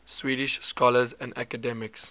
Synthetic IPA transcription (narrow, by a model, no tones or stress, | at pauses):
swiːɾiʃskɔləzɛ̃nda̰kədɛmɪks